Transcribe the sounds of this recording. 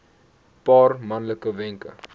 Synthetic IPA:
pɑːrmɐnləkəvɛŋkə̰

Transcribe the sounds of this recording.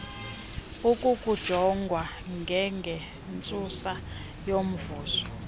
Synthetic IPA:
ukʼukʼud̥ʒ̥ʱɔŋɡʱwa | ŋɡʱɛŋɡʱɛ | nt͡sʼusa | jom̩vuːzɔ̥

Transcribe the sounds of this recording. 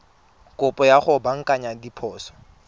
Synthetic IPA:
kʼʊpʼɔjaχʊbaŋ̩kʼaɲadipʰɔːsɔ̥

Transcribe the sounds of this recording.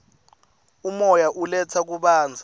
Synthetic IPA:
umɔjaʔulɛt͡sʰak̬uɓaːnd͡zʱa

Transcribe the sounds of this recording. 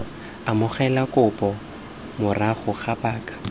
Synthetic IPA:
amʊχɛlakʼʊpʼɔ | mʊraχʊχapaːkḁ

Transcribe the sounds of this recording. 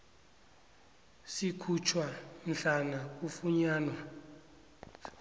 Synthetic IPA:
sikʰut͡ʃʰwam̩ɬanak̬ufuɲaːnwa

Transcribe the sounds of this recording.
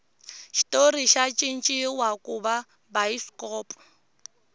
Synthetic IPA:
ʃi̥tʼoriʃat͡ʃʼɪn̩t͡ʃʼɪwakʼʊba | baiskʼɔːpʼɔ

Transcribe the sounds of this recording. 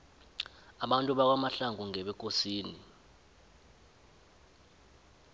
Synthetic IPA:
aɓantʼuɓak̬wamaɬaŋuŋɛɓɛk̬ʼosiːni

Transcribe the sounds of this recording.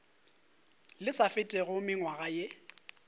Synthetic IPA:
lɪsafɪtʼɛɣʊmɪŋwaɣaje

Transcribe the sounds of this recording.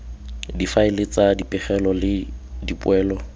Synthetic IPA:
difaɪlɪt͡sadipʼɪχɛlɔlɪdipwɛːlɔ

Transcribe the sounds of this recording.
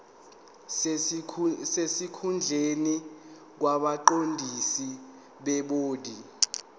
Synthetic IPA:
sesikʰund͡ɮʱeni | k̬waɓaǃondʱisi | ɓɛɓoːdʱi

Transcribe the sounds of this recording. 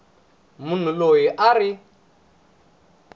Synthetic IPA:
mun̤ulojiʔari

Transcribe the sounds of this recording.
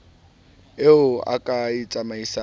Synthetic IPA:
eʊa̰kʼait͡sʼamaisa

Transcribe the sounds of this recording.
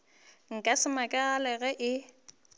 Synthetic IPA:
ŋ̩kʼasɪmakʼɛalɛɣɛʔɪ

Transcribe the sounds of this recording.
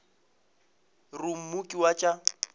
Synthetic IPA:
rʊm̩mukʼiwat͡ʃʼa

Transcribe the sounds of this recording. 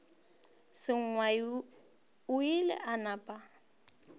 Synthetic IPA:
sɪŋ̩ŋwa | ʊɪlɪ̰ʔanapʼa

